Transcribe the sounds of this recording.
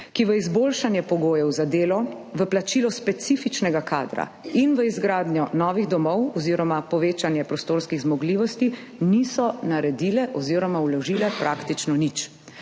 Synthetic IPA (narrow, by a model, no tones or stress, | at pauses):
kiʋəizboːlʃanjɛpɔɡoːjɛwzad̪eːlɔ | ʋəplat͡ʃilɔspɛt̪sifit͡ʃnɛɡaka̰ːd̪ɾa̰inʋəizɡɾaːd̪njɔnɔːʋiɣd̪ɔmɔwɔziːɾɔmapɔʋeːt͡ʃanjɛpɾɔst̪oːɾskiɣzmɔɡliːʋɔst̪i | nisɔnaɾɛd̪ilɛʔɔziːɾɔmawlɔʒiːlɛpɾʔaːkt̪it͡ʃnɔnit͡ʃ